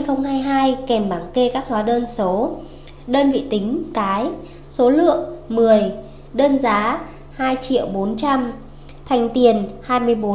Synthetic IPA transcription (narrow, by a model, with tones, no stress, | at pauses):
jxə˧wŋ͡mhaː˧jɦaː˧jkɛ˧˩mɓaː˧˩ŋke˧kaː˦˥k̚hwaː˨˦ɗəː˧nso˨˦ | ɗəː˧nvḭ˧˨t̪ï˨˦ŋ̟kaː˨˦j | so˨˦lɨ̰˧˨əŋmɨ˨˩əj | ɗəː˧nzaː˨˦ | haː˧jt͡ɕḭ˧˨əwɓo˨˦nt͡ɕa˧m | t̪ʰa˨˩jŋ̟t̪i˨˩ənhaː˧jmɨ˧əjɓo˨˦